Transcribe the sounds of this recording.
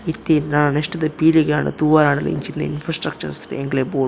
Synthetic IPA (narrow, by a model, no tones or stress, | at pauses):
it̪ːinanɐneʂʈɐd̪ɐpiːliɡeaːɳɐ̰t̪uʋaːɾaːɳɐlɐ̰ḭɲt͡ʃind̪ɐ̰ḭnfɾaːsʈɾɐk̚t͡ʃɐɾsɐ̥t̪ḛeŋɡleboː